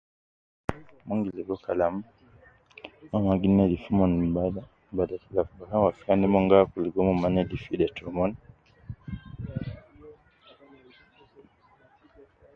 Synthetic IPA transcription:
mɔŋɡilɛɡɔkalamu | mamaɡinɛdifumɔnba | badakilafuɡakawafianɛmɔŋɡakuliɡɔmɔmanɛdifidɛtɔmɔn

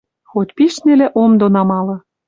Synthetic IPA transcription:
xot̪ʲpiʃnelĕʔomd̪onɑmɑlɤ̆

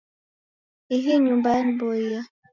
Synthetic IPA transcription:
iɦiɲumbanboija

